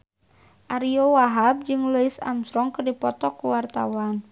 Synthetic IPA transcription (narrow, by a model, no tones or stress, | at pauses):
ʔaɾiowaɦab̚d͡ʒɨŋləisa̰msɾɔŋkərdipɔt̪ɔkuwart̪a̰wan